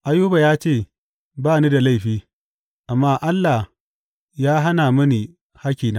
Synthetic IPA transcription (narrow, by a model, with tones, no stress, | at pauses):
ʔa˦juː˦ba˨jaː˦t͡ʃeː˦˨ | baː˦˨niː˦da˨la˦jɸiː˦ | ʔa˨mːaː˦ʔa˦lːa˨ | jaː˦ɦa˦naː˨mɐ˦ni˨ | ha˦kʲiː˨naː˦